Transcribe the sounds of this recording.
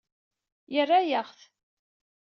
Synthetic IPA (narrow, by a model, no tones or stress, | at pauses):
jərːajəʁθ